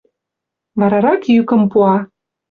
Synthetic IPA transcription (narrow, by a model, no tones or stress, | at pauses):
βɑɾɑɾɑkjykə̆mpuɑ